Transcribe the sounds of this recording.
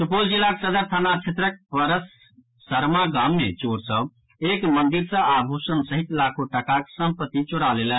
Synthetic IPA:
supold͡ʒilːaksəd̪əɾt̪ʰanat͡ʃʰet̪ɾək̚pəɾəsː | əɾmaɡamːet͡ʃoɾsə̃ | ekmənd̪iɾsə̃abʱusənsəɦit̪lakʰoʈəkaksəmpət̪ːit͡ʃoɽalelən

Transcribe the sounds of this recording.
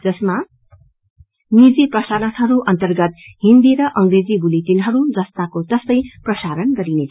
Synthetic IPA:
d͡zʌsma | nid͡ziprʌsaɾʌnɦʌɾuʔʌnt̪ʌrɡʌt̪ɦind̪iɾʌʔʌŋred͡zibulit̪inɦʌɾud͡zʌst̪akot̪ʌst̪ʌj̃prʌsaɾʌnɡʌɾinet͡sʰ

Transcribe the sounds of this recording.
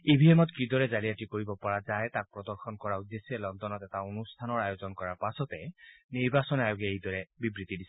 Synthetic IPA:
ebʱiɦɛmɔtkidɔɹɛzaɹiatikoɹibɔpɔɹazajtak̚pɹɔdɔɹxʰɔnkɔɹaud̪esiɛlɔndɔnɔtɛtaonustʰanɔɹajozɔnkɔɹaɹpasɔtɛniɹbasɔnajɔɡɛejdɔɹɛbibɹit̪idisɛ

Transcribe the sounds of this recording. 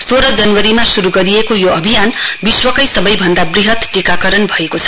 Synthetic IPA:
soɾʌd͡zʌnwʌɾimasuɾuɡʌɾijekojoʌbʱijanbiswʌkʌjsʌbʌjbʱʌnd̪abriɦʌt̪ʈikakʌɾʌnbʱʌekot͡sʰʌ̥

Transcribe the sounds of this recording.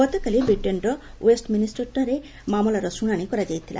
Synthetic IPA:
ɡɔt̪ɔkalibɾiʈːenɾɔ | wesʈminisʈɔɾʈaɾe | mamɔlaɾɔsuɽ̃aɽ̃ikɔɾad͡ʒajt̪ʰila̰

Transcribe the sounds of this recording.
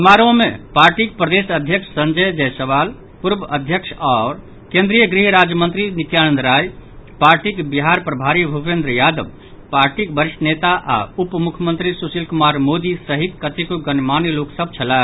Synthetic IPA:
əmaɾõmepaɾʈik̚pɾəd̪esəd̪ʱjəkʂʰəsənd͡ʒəjd͡ʒɛjsəʋal | puɾbəʔəd̪ʱjəkʃʰɔɾ | kẽnd̪ɾijəɡɾiɦɾad͡ʒjəmə̃nt̪ɾinit̪janənd̪ɾajpaɾʈikbiɦaɾpɾəbʱaɾibʱupẽnd̪ɾəjad̪əb | paɾʈikbəɾiʃənet̪aʔa̰upmukʰəmə̃nt̪ɾisusilkumaɾmod̪isəɦik̪kət̪ikuɡənmaniloksəbt͡ʃʰəla

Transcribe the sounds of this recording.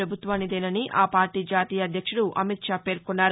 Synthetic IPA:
ɾɐbʱut̪ʋaːnid̪eːnɐniʔaːpaːɾʈiːd͡ʒaːt̪iːjɐːd̪ʱjɐkʂuɽuʔɐmit̪ʃaːpe̞ːɾkunːaːɾ

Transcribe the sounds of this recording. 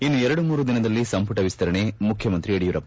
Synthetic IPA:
inːuɛɾɐɽumuːɾud̪inɐd̪ɐlːisɐmpuʈɐʋist̪ɐɾɐɳemukʰjɐmɐnt̪ɾieɽijuɾɐpː

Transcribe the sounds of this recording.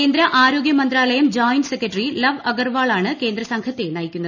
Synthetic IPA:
eːnd̪ɾɐʔaːɾoːɡjɐmɐnd̪ɾaːlɐjɐmd͡ʑaːjnsekːɐʈrilɐʋɐɡɐrʋaːɭaːɳɨke̞ːnd̪ɾɐsɐŋkʰɐt̪ːenɐjikʲːunːɐð

